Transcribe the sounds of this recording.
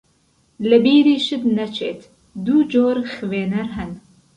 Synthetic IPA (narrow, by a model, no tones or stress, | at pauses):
lɨbiːɾiːʃɨt̪nɐt͡ʃʰeːt̪ | d̪uːd͡ʒoːɾxɨveːnɐɾɦɛn